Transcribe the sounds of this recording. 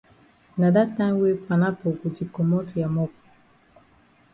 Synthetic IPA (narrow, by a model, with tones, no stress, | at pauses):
na˨da˦tːa˦m˦we˦pa˨na˦po˨kʷu˨d͡ʒi˨ko˨mɔ˦tja˨mɔ˦p